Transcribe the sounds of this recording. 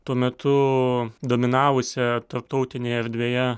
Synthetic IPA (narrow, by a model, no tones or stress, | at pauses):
t̪uɔmʲɛt̪ʰʊd̪oːmʲɪnɑːʋʊsʲɛt̪ɐɾp̚t̪ɔʊt̪ʲɪnʲeːɛɾʲd̪ʲʋʲeːjɛ